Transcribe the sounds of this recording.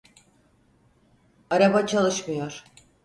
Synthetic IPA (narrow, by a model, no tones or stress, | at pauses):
aɾabat͡ʃʰalˠɯʃmɯjo̞ɾ̥